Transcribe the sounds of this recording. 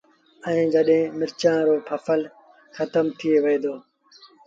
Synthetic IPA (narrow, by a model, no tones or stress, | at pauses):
ə̃ːd͡ʒəɗɦẽːmɪɾt͡ʃãːɾoːpʰəfəl | xət̪əmt̪ʰɪeːʋəeːd̪oː